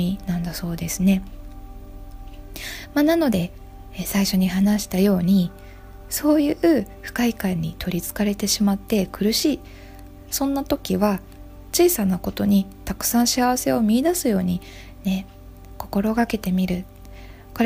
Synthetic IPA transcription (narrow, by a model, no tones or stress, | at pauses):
inãnd̪aso̞ːd̪e̞sɨne̞ | manano̞d̪e̞ | saiɕo̞ɲ̟iɦanaɕi̥t̪ajo̞ːɲ̟i | so̞ːjɯ̟ɯ̟ɸɯ̟̥kaikãɲ̟ːit̪ʰo̞ɾʲit͡sɨ̥kaɾe̞t̪e̞ɕimat̪ːe̞kɯ̟ɾɯ̟ɕiː | sõ̞nːat̪o̞kʲiβa | t͡ɕiːsanako̞t̪o̞ɲ̟it̪akɯ̟̥sãɰ̃ɕiaβ̞ase̞o̞mʲiːd̪asɨjo̞ːɲ̟i | ne̞ | ko̞̥ko̞ɾo̞ɡake̞t̪e̞mʲiɾɯ̟ | ko̞ɾ